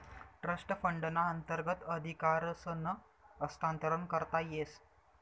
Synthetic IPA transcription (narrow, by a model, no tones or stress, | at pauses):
ʈɾəsʈəfəɳɖnaənt̪əɾɡət̪əd̪ʱikaɾsənəː | st̪ant̪əɾəɳkəɾt̪ajes